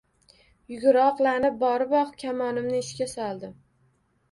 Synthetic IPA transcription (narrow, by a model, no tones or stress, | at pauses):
jʊɡʲʊɾɒqlˠanɪp̚bɒɾɪbɒqkʲʰamɒnɪmnɪɪʃkʲasɒlˠd̪ɪm